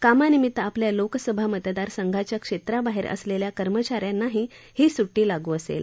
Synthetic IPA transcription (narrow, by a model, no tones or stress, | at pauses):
kamanimit̪apljaloksəbʱamət̪d̪aɾsəŋɡʱat͡ɕjakʂet̪ɾabaɦeɾə̰sleljakəɾmət͡ɕaɾjanaɦihiːsuʈːiːlaɡuːəsḛl